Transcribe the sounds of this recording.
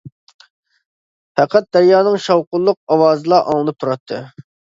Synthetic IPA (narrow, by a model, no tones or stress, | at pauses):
pʰɛqʰæt̪̚d̪æɾjɑːnɨŋʃɑwqʊlˠːʊq̚ɑwɑːzɨlˠɑʔɑ̰ŋlˠɨnɨp̚t̪ʰuɾɑt̪ʰːɨ